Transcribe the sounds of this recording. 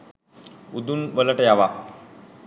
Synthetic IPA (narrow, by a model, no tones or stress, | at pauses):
ud̪unʋələʈəjaʋa